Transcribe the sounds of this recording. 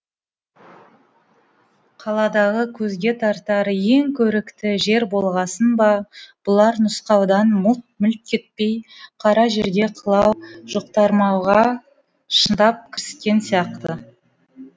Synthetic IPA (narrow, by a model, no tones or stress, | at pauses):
qʰɑlˠɑd̪ɑʁəkʲʰɵzɡʲe̞t̪ʰɑɾt̪ɑɾəje̞ŋkʲʰɵɾɪkt̪ɪʒe̞ɾbo̞lˠʁɑsənbɑb̥ʊlˠɑɾnʊsqɑwd̪ɑnmut̪̚mʏlt̪̚kʲʰe̞t̪̚pe̞jqʰɑɾɑʒe̞ɾɡ̪ʲe̞qʰɑlˠɑwʒ̥oq̚t̪ɑɾmɑwʁɑ | ʃənd̪ɑp̚kʲʰɪɾsɪ̥t̪kʲe̞nsijɑqt̪ə